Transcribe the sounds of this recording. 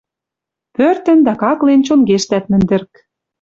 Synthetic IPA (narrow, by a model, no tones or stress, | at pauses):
pørt̪ə̆nd̪ɑkɑklent͡ɕonɡeʃt̪æt̪mɘ̆nd̪ɘ̆rk